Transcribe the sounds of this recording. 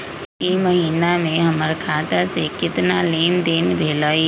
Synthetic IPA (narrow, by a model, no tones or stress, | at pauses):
iməɦiːnamẽɦəməɾkʰaːt̪asekɪt̪naleːnd̪eːnbʱeːlaːi